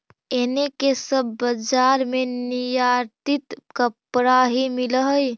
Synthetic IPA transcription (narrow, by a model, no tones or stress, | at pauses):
enekesəbːəd͡ʒaɾmenijaɾt̪it̪kəpɾaɦimilɦəj